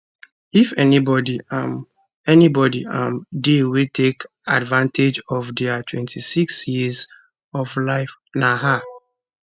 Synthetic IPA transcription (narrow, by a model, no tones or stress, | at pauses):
ifɛnibɔdiam | ɛnibɔdiãmdewitʰek | advãntʰed͡ʒɔvdɛatʰwɛ̃ntʰisiksjiz | ɔvlaɪfnaɦa